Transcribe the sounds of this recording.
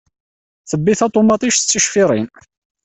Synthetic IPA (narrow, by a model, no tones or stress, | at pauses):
θəbːiθɑt̪ˤomɑt̪ˤiʃt͡sːəʃfiɾˤḭn